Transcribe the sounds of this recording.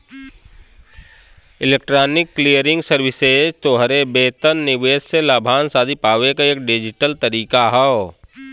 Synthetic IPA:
ɪleːk̚ʈɾaːnɪkːlijəɾɪ̃ŋɡsəɾʋɪseːd͡ʒt̪oːɦəɾebeːt̪ənːɪʋeːsselaːbʱaːnsaːd̪ʱipaːʋekaeːk̚ɖɪd͡ʒɪʈəlt̪əɾiːkaɦɛ

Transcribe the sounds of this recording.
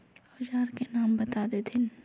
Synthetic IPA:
ʊd͡ʒaːɾkenaːmbɐt̪aːd̪et̪ʰɪn

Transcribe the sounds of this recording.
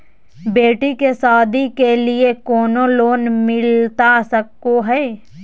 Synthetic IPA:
beːʈikesaːd̪ʱikeliekɔːnoloːnmɪlt̪asəkːoɦɛː

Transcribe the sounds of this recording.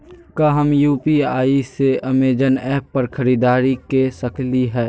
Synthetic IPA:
kɐɦəmjuːpiaːiseʔɐmeːd͡ʒənɛːpːɐɾxʰɐɾiːd̪aːɾikesɐkliɦɛː

